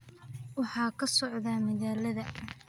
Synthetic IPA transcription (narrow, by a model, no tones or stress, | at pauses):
wɑħɑːkʰɐsɔʕðaːmɐɣaːlɐðɐ